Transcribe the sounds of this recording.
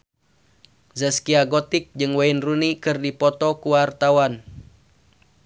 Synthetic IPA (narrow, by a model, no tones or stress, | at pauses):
zɛskiaɡɔt̪ɪk̚d͡ʒɨŋwainrunikɨrdipɔt̪ɔkuwart̪awan